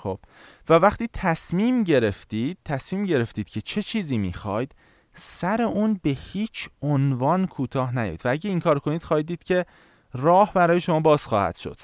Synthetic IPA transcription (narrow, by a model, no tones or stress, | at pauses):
xob̥vævæxt̪iːt̪ʰæsmiːmɟe̞ɾe̞ft̪iːd̪̥̚t̪ʰæsmiːmɟe̞ɾe̞ft̪iːd̪̥cʰe̞t͡ʃʰe̞t͡ʃʰiːziːmḭːxɒːjd̪̥ | sæɾe̞ʔuːnbe̞hiːt͡ʃʰonvɒːnkʰuːt̪ʰɒːɦnæj̰jd̪vææɟeiŋkʰɒːɾkʰo̞niːd̪̥xɒːhiːd̪iːd̪̥cʰe̞ | rɒːhbæɾɒːjeʃo̞mɒːbɒːz̥xɒ̰ːhæ̰d̪̥ʃo̞̰d̪̥